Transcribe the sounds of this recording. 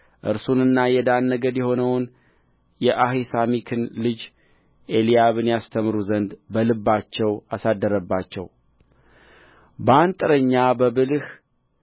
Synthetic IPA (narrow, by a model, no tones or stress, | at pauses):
ʔɨ̰ɾsunɨnːajɛd̪anːəɡəd̪jɛho̞nəwn | jɛʔaɦisamikʰɨnlɨd͡ʒ | ʔelijaβɨnjast̪ʰəmɾuzənd̪bəlɨbːat͡ʃːɛwasad̪ːəɾəbːat͡ʃːɛ̰w | bəant̪ʼɨɾəɲːabəbɨlh